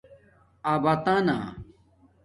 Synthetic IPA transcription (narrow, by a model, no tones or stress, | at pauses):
aːbat̪ana̰